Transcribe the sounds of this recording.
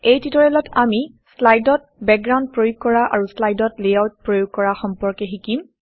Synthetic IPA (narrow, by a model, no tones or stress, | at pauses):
ejtitɔɹɛlɔtʰami | slajdɔt̚ | bɛk̚ɡɹawnd̚pɹojuɡ̚kːɔɹaʔa̰ɹuslajdɔtlejawt̚pɹojuɡ̚kɔɹaxɔmpɔɹkɛxikim